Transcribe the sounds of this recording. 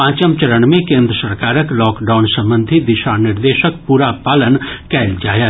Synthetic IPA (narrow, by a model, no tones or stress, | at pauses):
ãːt͡ʃəmt͡ʃəɾəɳmẽkẽːnd̪ɾəsəɾkaːɾəklɔːkɖaːʊnsɐ̃mbə̃nd̪ʱid̪ɪʃanɪɾd̪eːʃək̚puːɾapaːlənkɛːld͡ʒaːjaː